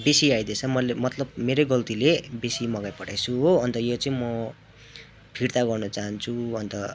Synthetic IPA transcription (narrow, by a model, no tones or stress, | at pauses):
besiajd̪et͡sʰʌmʌlemʌt̪lʌb̚meɾoɡʌlt̪ilebesimʌɡajpʌʈajt͡sʰuɦoɦʌnt̪ʌjot͡sʌĩmʌ | pʰirt̪aɡʌrnʌt͡saɦʌnt͡sʰuɦʌnt̪ʌ